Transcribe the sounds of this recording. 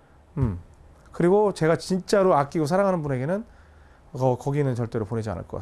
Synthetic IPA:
ɯm | kɯɾiɡot͡ɕe̞ɡat͡ɕint͡ɕ͈aɾoak͈iɡosʰaɾaŋɦanɯnbune̞ɡe̞nɯn | ʌkʌɡinɯnt͡ɕʌɭt͈e̞ɾopone̞d͡ʑia̰nɯ̰ɭk͈ʌka̰

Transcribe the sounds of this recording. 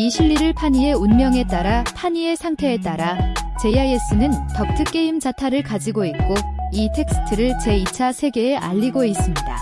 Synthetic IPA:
iɕʰiʎːiɾɯɭpʰaɲie̞unmjʌŋe̞t͈aɾapʰaɲie̞sʰaŋtʰe̞ːt͈aɾat͡ɕe̞ajes͈ɯnɯntʌk̚tʰɯk͈e̞imd͡ʑatʰaɾɯɭkad͡ʑiɡoit̚k͈oitʰe̞k̚s͈ɯ̥tʰɯɾɯɭt͡ɕe̞it͡ɕʰasʰe̞ɡe̞eʔa̰ʎːiɡois͈ɯmɲida̰

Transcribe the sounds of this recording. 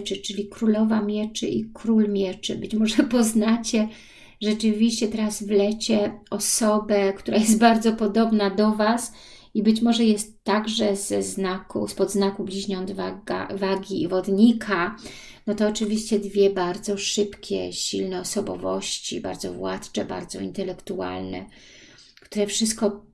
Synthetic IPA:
t͡ʂɘt͡ʂɘlʲikɾulɔvamʲjɛt͡ʂɘ̰ʔikɾulmʲjɛt͡ʂɘ̰bɘt͡ɕmɔʐɛpɔznat͡ɕɛ | ʐɛt͡ʂɘvʲiɕt͡ɕɛt̪ɛɾazvlɛt͡ɕɛɔsɔbɛkt̪uɾajɛst̪̚baɾd̪zɔpɔd̪ɔbnad̪ɔvas | ibɘt͡ɕmɔʐɛjɛst̪ːaɡʐɛzɛznakṵspɔd̪znakublʲiʑɲɔnd̪vaɡa̰vaɡʲivɔd̪ɲikʰa | nɔt̪ɔːt͡ʂɘvʲiɕt͡ɕɛd̪vʲjɛbaɾd̪zɔʂɘpkʲɛ̰ɕilnɛɔsɔbɔ̰vɔɕt͡ɕḭba̰ɾd̪zɔ̰vwa̰t̪t͡ʂɛba̰ɾd̪zɔ̰ḭnt̪ɛlɛkt̪ua̰lnɛ̰ | kt̪uɾɛfʂɘst̪̚kɔ

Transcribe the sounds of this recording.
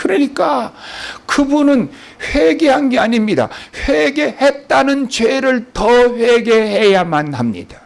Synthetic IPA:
kɯɾʌɲik͈a | kɯbunɯn | ɸwe̞ɡe̞ɦanɡeaɲimɲida̰ɸweɡe̞het̚t͈anɯnt͡ɕwe̞ɾɯɭtʌɸwe̞ɡe̞ɦe̞jamanhamɲḭd̥ḁ

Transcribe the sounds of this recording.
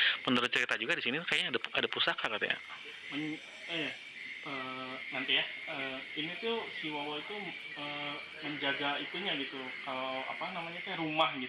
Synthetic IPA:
mənd̪əɾʊt̪̚t͡ʃəɾit̪ad͡ʒuɡadisinikajaadaadapusakakat̪ṵja̰ | məɲ | ija | ənant̪ijaəːinit̪usiwawait̪u | ə | məɲd͡ʒaɡait̪uɲaɡit̪u | kalawa̰panamaɲakaaɾumahɡi

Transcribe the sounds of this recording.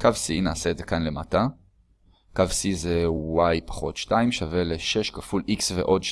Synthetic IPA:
kavsinaːse̞ːdze̞kanle̞mata | kavsizewajpḁχo̞tʃtaimʃave̞leʃe̞ʃkafulʔiksvḛʔo̞dʃ

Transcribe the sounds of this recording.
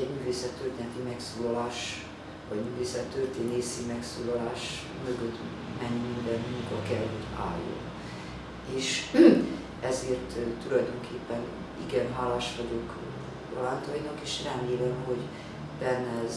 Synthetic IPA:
ɛɟmyːveːsɛt̪ːørt̪eːnɛt̪imɛksoːlɒlaːʃ | vɒɟmyːveːsɛt̪ːørt̪eːneːsimɛksuːlɒlaːʃ | møɡøt̪ | mɛɲːimind̪ɛnmuŋkɒkɛlɦo̞ɟa̰ːjːo̰n | eːʃ | ɛzeːrt̪ːulɒjd̪o̞ŋkʰeːpːɛn | ḭɡɛnɦaːlaːʃʋɒɟok | rolant̪ojinɒkeːʃrɛmeːlɛmho̞ɟ | bɛnːɛz

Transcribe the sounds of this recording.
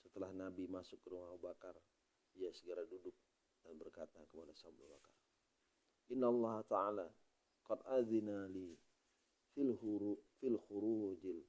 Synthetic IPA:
sət̪əlahnabimasʊkːəɾumaɦubakar | ijasəɡəɾadudʊk̚ | danbərkat̪akəmanasablṵbakar | ʔɪnːalˤːɑhat̪aala | qɑdʔaðinali | filfilxuɾud͡ʒɪl

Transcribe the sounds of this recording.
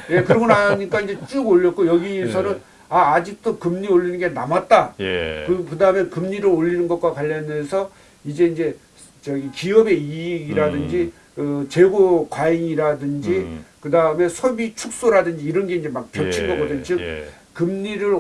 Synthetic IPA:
je̞kɯɾʌɡʌnaɲik͈aind͡ʑe̞t͡ɕ͈uɡoʎːʌt̚k͈ojʌɡiesʰʌnɯn | aːd͡ʑik̚t͈okɯmɲioʎːinɯnɡe̞namat̚t͈akɯkɯdaɯme̞kɯmɲiɾɯɾoʎːinɯnɡʌt̚k͈wakwaʎːʌne̞sʰʌ | id͡ʑe̞ind͡ʑe̞ | t͡ɕʌɡikiʌbe̞iɡiɾadɯnd͡ʑi | ɯt͡ɕe̞ɡokwaiŋiɾadɯnd͡ʑikɯdaɯme̞sʰobit͡ɕʰuk̚s͈oɾadɯnd͡ʑiːɾʌnɡe̞ind͡ʑe̞mak̚pjʌt͡ɕʰinɡʌɡʌdɯɲt͡ɕɯk̚ | kɯmɲiɾɯɭ

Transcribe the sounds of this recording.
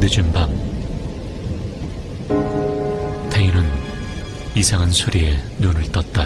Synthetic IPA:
nɯd͡ʑɯmbam | tʰeinɯn | isʰaŋansʰuɾie | nonɯɭt͈ʌt̚t͈a

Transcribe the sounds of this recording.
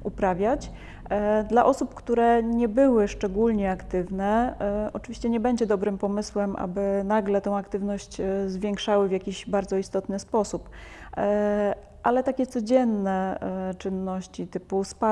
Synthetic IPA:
ʔupɾavʲjat͡ɕ | d̪laʔɔsupkt̪uɾɛɲɛbɘwɘʂt͡ʂɛɡulɲɛakt̪ɘvnɛɔt͡ʂɘvʲiɕt͡ɕɛɲɛbɛɲd͡ʑɛd̪ɔbɾɘmpɔmɘswɛmʔa̰bɘnaɡlɛt̪ɛ̃w̃akt̪ɘvnɔɕt͡ɕzvʲjɛŋkʂawɘvʲjakʲiʑbaɾd̪zɔist̪ɔt̪nɘspɔsup | ʔalɛt̪akʲɛt̪sɔd͡ʑɛnːɛt͡ʂɘnːɔɕt͡ɕit̪ɘpuspa

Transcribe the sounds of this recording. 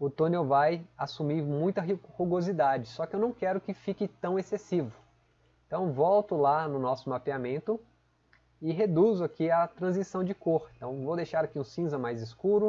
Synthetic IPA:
ʊt̪õnewvajasumiɾmũj̃t̪ɐɦhuɡozid̪ad͡ʒɪsɔkɪewnɐ̃w̃kɛɾʊkɪfikɪt̪ɐ̃w̃esesivʊ | ẽt̪ɐ̃w̃vɔwt̪ʊlanʊnɔsʊmapeamẽnt̪ʊ | ɪɦed̪uzʊakiɐt̪ɾɐ̃zisɐ̃w̃d͡ʒɪkoɾẽt̪ɐ̃w̃vowd̪ejʃaɾakiũsĩzɐmajzɪskuɾʊ

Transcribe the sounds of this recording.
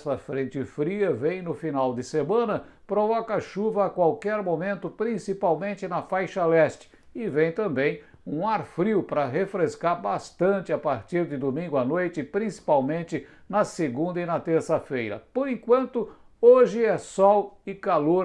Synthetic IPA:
sɐfɾẽnt͡ʃɪfɾiɐvẽj̃nʊfinawd̪ɪsemɐ̃nɐ | pɾovɔkɐaʃuvɐːkwawkɛɾmomẽnt̪ʊpɾĩsipawmẽnt͡ʃ̪ɪnɐfajʃɐlɛst͡ʃɪ̥ | ɪvẽj̃t̪ɐ̃mbẽj̃ | ũaɾfɾiwpɾɐɦefɾeskaɾbast̪ɐ̃nt͡ʃɪapaɾt͡ʃiɾd̪ɪd̪omĩŋɡʊanojt͡ʃɪpɾĩsi̥pawmẽnt̪ɪ | nɐseɡũnd̪ɐɪnɐt̪eɾsɐfejɾɐ̰poɾẽkwɐ̃nt̪ʊ | oʒɪɛsɔwɪkaloɾ

